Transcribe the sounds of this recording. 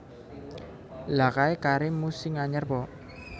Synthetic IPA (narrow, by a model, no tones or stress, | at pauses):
lakaekaɾimusiŋaɲərpɔ